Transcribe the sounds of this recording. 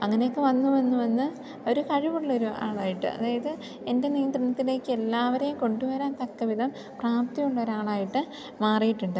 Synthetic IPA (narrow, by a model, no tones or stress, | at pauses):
ɐŋːɐneokːɨʋɐnːuʋɐnːuʋɐnːɨ | o̞ɾukɐɻiʋuɭːɐo̞ɾuʔa̰ːɭaːjiʈːɨ̰ɐ̰ðaːjɐðɨ | e̞nde̞niːnd̪rɨnɐt̪ːile̞ːkːɨelːaːʋɐɾejumko̞ɳɖuʋɐɾaːnt̪ɐkːɐʋiðɐm | praːp̚t̪ijuɭːɐo̞ɾaːɭaːjiʈːɨ | maːrijiʈːuɳɖɨ